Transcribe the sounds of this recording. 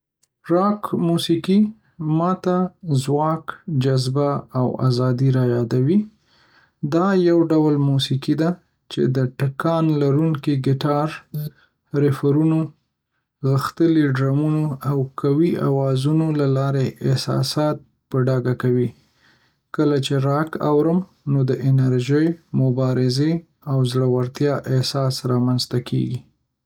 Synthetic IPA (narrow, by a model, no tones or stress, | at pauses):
ɾɑkmusiki | mɑt̪azwɑkd͡ʒazbaawa̰zɑd̪iɾɑjɑd̪awi | d̪ɑjawɖawlmusikid̪a | t͡ʃḛd̪əʈakɑnlaɾuŋkiɡɪʈɑɾ | ɾɪfaɾuno | ɣəxt̪əliɖɾamunoawkʰawia̰wɑzunolalɑɾeʔɪsɑ̰sɑt̪̚ | pəɖɑɡakawi | kəlat͡ʃeɾɑka̰wɾəm | nod̪əʔɪnaɾʒəjmʊbɑɾɪze | awzɽawaɾt̪jɑʔɪhsɑsɾɑmanzt̪akʰḛɡi